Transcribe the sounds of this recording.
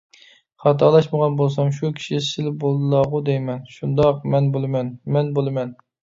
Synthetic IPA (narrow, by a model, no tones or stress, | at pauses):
χɑt̪ʰɑlˠɑʃməʁɑnbolˠs̬ɑmʃ̬ukʲʰi̥ʃisɪlɪbolˠlˠɑʁʊd̪ejmɛnʃund̪ɑq̚mɛnbolˠɨmɛnmɛnbolˠɨmɛn